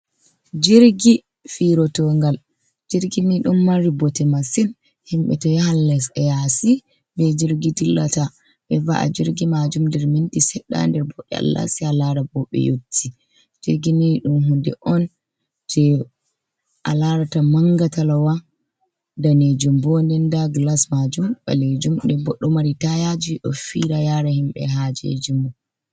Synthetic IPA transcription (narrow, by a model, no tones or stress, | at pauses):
d͡ʒiɾɡi | fiɾɔtɔŋɡal | d͡ʒiɾɡiniɗumːaɾibɔtɛmasin | himɓɛ̰tɔjhalːɛsɛjasi | bɛd͡ʒiɾɡidilːata | ɓɛva̰ʔa̰d͡ʒiɾɡimad͡ʒumndɛɾmindisɛɗːa̰ndɛɾbɔɗɛa̰lːa̰sialaɾabɔɓɛ̰jotʰːi | d͡ʒ̥iɾɡiniɗumɦundɛ̰ʔɔn | tʰɛ | ʔalaɾatamaŋɡatalawa | daned͡ʒumbɔndɛndaɡlasmad͡ʒumba̰led͡ʒumɗɛbɔɗːɔmaɾitajad͡ʒiɗɔ̰fiɾajaɾahimɓɛɦad͡ʒḛd͡ʒumːu